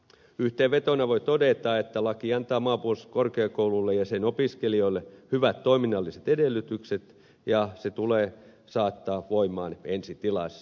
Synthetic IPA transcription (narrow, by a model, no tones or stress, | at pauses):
yht̪eːʋet̪onɑʋoit̪odet̪ɑːet̪ːælɑkiɑnt̪ɑːmɑːpuolskorkeɑːkoululːejɑsenopiskelioilehyʋæt̪tːoiminːɑlːiset̪edelːˑyt̪ykset̪ | jɑset̪uleː | sɑːt̪ːɑːʋoimɑ̰ːnensit̪ilɑ̰s